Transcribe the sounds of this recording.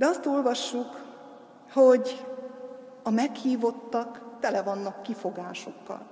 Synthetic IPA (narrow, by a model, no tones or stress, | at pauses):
d̪ɛɒst̪o̞lvɒʃːuk | ho̞ɟ | ɒmɛkhiːvo̞t̪ːɒkt̪ɛlɛvɒnːɒkːifo̞ɡaːʃo̞kːɒ̰l